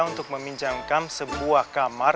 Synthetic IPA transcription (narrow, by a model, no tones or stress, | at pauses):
unt̪ʊk̚məmiɲd͡ʒaŋkamsəbuahkamar